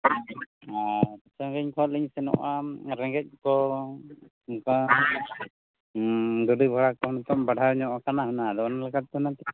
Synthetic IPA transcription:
at̪ɔt͡ʃaɡɛɲkʰɔliɲsɛnɔ̰ʔaɾɛŋɡɛc̚kɔ | ŋka | duɖibʱɔɽakɔnɔt̪ɔʔbaɽʱawɲɔʔɔkanaɦunad̪ɔanalɛkat̪̚ːɦunat̪ɛ

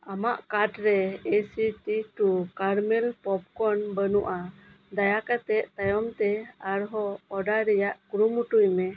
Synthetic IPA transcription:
amaʔkaʈɾɛesiʈiʈukaɾmɛlpɔp̚kɔnbənuʔa | d̪ajakat̪ɛʔt̪ajɔmt̪ɛaɾɦɔːɖaɾɛjaʔkɾumuʈujmɛ

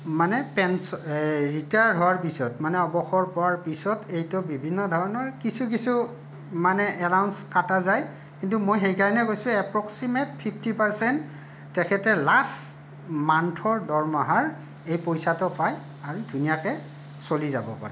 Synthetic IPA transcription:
manɛpɛnsɹitajaɹɦɔwaɹpisɔtmanɛɔbɔxɔɹpɔwaɹpisɔtejtɔbibʱinːɔdʱɔɹɔnɔɹkisʰuk̬isu | manɛʔɛlawnskatazaj | kintumojɦejkajnɛkojsʊ̃ɛpɹɔksimet̚pʰipʰtipaɹsɛntː | ɛkʰɛtɛlas | mantʰɔɹdɔɹmaɦaɹ | ejpojsatɔpaj | aɹudʱunijakɛ | soliza̰bɔ̰pa̰ɹɛ̰

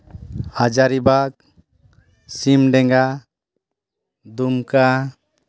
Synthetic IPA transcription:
ad͡ʒaɾibak̚ | simɖɛŋɡa | d̪umka

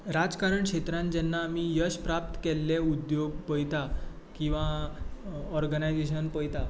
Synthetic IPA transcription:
ɾad͡zkaɾəɳkʂet̪ɾãnd͡ʑɛnːaːmijəɕpɾap̚t̪kɛlːeud̪joɡpəjt̪a | kĩw̃ʋa | ɔɾɡənajd͡zeɕ̬ənpəjt̪a

